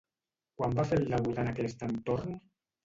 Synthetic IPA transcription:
kwambafeld̪aβut̪anakɛst̪ənt̪oɾn

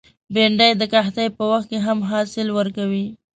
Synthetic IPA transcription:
beɳɖajd̪əkaxt̪ajpəwaxt̪̚keɦamɦɑsɪlwəɾkawi

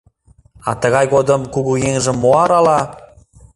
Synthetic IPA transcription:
ɑ̰t̪əɣɑjɣod̪əmkuɣujeŋʒĕmːoɑɾɑlɑ

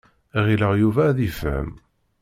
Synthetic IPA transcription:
ʁiləʁjuvæðifə̰m

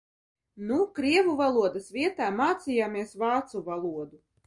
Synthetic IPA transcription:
nukɾiɛvuvalˠuɔd̪asvʲiɛt̪aːmaːt̪sʲijaːmiɛsvaːt̪suvalˠuɔd̪u

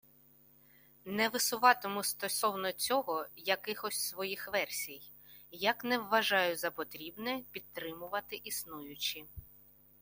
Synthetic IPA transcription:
nɛʋɪsʊʋɑt̪ɔmʊst̪ɔsɔwnɔt͡sʲɔɦɔjɐkɪxɔsʲsʋɔjixʋɛrsʲij | jɐknɛwʋɐʒɑjʊzɐpɔt̪ɾʲibnɛpʲid̪̚t̪ːɾɪmʊʋɐt̪ɪʔisnujʊt͡ʃɪ

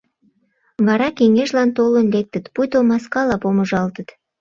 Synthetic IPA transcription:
βɑɾɑkeŋeʃlɑnt̪olə̆nlek̚t̪ət̪pujt̪omɑskɑlɑpoməʒɑlt̪ət̪

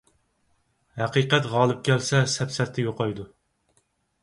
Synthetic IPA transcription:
hæqiqɛt̪ʁɑːlˠɨp̚kʲɛlsɛsɛpsɛɾt̪ʰːɛjoqɑjd̪u

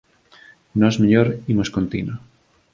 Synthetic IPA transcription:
nozmeʎoɾimoskont̪ino

